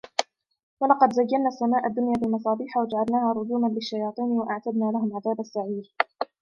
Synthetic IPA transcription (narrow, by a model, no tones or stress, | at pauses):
wɑlɑqɑd̪zajːanːaːsːamaːʔad̪ːʊnjaːfilmɑs̬ˤɑːbiːħawad͡ʒaʕalnaːhaːɾˤʊzuːmanlɪʃːajɑːt̪ˤiːnwaʔaʕt̪ad̪naːlahʊmʕaðaːbasːaʕiːl